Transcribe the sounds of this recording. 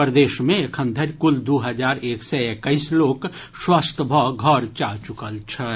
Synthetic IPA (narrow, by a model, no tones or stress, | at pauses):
pəɾd̪eːʃmẽekʰə̃nd̪ʱəɾkʊld̪uɦəd͡ʒaːɾeːksɛekəisloːk | swast̪ʰəbʱɔɡʱəɾt͡ʃat͡ʃʊkəlt͡ʃʰɛ